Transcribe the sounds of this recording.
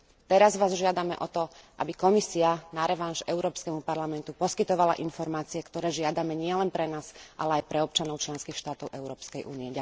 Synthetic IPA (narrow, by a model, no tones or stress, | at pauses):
t̪ɛɾazʋaːzʒɪad̪amɛ̰ʔɔt̪ɔʔa̰bikɔmisianaɾɛʋanʃɛʊɾɔːpskɛmupaɾlamɛnt̪upɔskit̪ɔʋala̰ʔinfɔɾmaːt͡siɛkt̪ɔɾɛːʒɪad̪amɛɲɪɛlɛnpɾɛnaːzʔa̰lɛajpɾɛɔp̚t͡ʃanɔʊt͡ʃlɛnskixʃt̪aːt̪ɔʊʔɛʊɾɔːpskɛjʔṵːniɛɟa